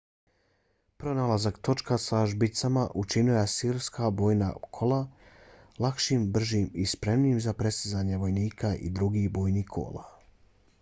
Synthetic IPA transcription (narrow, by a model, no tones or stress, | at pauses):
pɾo̞nalˠazakt̪o̞t͡ʃkasaʒbit̪samaʔut͡ʃinujasiːɾskabo̞ːjna̰kʰo̞lˠa | lakʃiːmbr̩ʒiːmispɾe̞mniːmzapɾesizaːɲeʋo̞jniːkʰaʔḭd̪ɾuɡibo̞ːjnikʰo̞̰ːlˠa